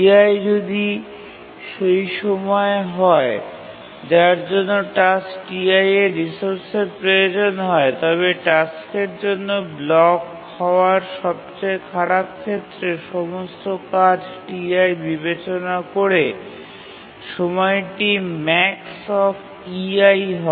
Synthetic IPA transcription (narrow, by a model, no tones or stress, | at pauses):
iajd͡ʑod̪i | ʃejʃɔmɔeɦɔe | d͡ʑaɾd͡ʑonːoʈasʈiajeɾisoɾseɾpɾojod͡ʑonɦɔet̪ɔβeʈaskeɾd͡ʑonːoblɔk | hɔoaɾʃɔb̚t͡ɕaekʰaɾap̚kʰet̪ːɾeʃɔmost̪okad͡ʑʈiajbibet͡ɕonakoɾe | ʃɔmɔeʈimɛksɔf | iajɦɔ